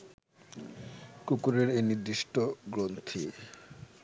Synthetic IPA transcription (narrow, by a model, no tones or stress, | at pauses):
kukuɾeɾeniɾd̪iʃʈoɡɾont̪ʰi